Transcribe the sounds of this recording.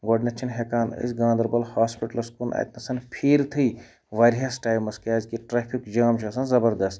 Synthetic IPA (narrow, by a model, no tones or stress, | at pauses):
ɡoːɖnɐt͡ʃʰinɦekaːnɨ̰sɡãːnd̪ɐɾbɐlhaːspiʈɐlɐskunɐ̰t̪nɐsɐnpʰiɾt̪ʰɨj | ʋɐɾjɐsʈaːjmɐskaːzkiʈɾaːpʰikd͡ʒaːmt͡ʃʰɐːsɐnzɐbɐɾd̪ɐst̪